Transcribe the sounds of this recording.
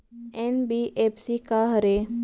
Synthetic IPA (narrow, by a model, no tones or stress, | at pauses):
enbiʔepsikaɦəɾe